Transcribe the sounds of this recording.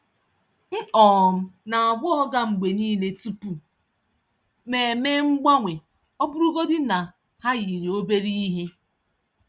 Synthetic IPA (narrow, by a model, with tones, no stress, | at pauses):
n̩˦ɔː˨m̩˦na˨a˨bʊ˦ɔ˦ɡa˦ŋ͡m̩˨ɡ͡be˨niː˦le˨tu˦pu˨ | me˨meː˦ŋ͡m̩˦ɡ͡ba˦ŋʷe˨ | ɔ˦bʊ˦ɾu˦ɡo˦dɪ˦na˨ | ha˦ɣi˨ɾi˨o˦be˦ɾi˦ɦe˦